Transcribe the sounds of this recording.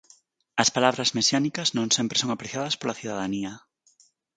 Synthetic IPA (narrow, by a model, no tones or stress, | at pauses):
ɐspalaβɾɐzmesjanikɐznõŋsempɾesoŋapɾeθjaðɐspolaθiðaðaniɐ